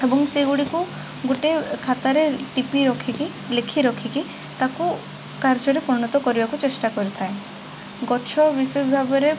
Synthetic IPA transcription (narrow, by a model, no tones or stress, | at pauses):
ebɔŋseɡuɽiku | ɡoʈekʰat̪aɾeʈipiɾɔkʰiki | lekʰiɾɔkʰiki | t̪aku | kaɾd͡ʒɔɾepɾɔnɔt̪ɔkɔɾibakut͡ʃesʈakɔɾit̪ʰae | ɡɔt͡ʃʰɔbises̬bʱabɔɾe